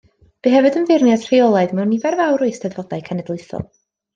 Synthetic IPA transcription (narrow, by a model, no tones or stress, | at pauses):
b̥iɦɛvɨdənvɪrnjad̥r̥eɔlˠaɨðmɛwnivɛrvawɾʊɨsdɛdvɔdajkʰanɛdlˠɨθɔ̰lˠ